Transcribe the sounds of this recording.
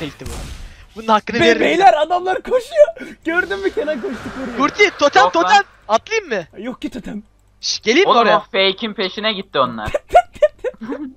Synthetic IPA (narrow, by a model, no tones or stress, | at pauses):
eit̪ːibubununhakːɯneɾejlʲæɾad̪amlˠaɾkʰoʃujoɟ̥øɾd̪ymbikʰenɛkoʃt̪ukoɾuɾt̪ʰit̪ʰot̪ʰælt̪ʰot̪æl | at̪lˠɯjmːɪjok̚cit̪ʰot̪ʰɛm | ʃɟ̥elʲijod̪amafejcʰinpʰe̞ʃinɛɟit̪ʰːio̞nlˠa̰ɾ